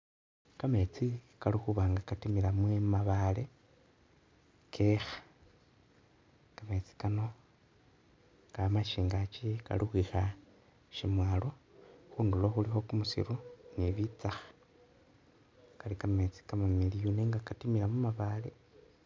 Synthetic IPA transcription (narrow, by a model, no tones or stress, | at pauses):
kame̞t͡sikalixuβaːŋɡakatimilamwemaβale̞ | kʰexḁ | kame̞t͡si̥kano̞ | ɡamaʃiːŋɡat͡ʃika̰lixwixa | ʃimwaːloxuːndulo̞xulixo̞kumusḭɾuniβit͡saxḁ | kalikame̞t͡si̥kamamilijuneːŋɡakatimilamumaβale̞̰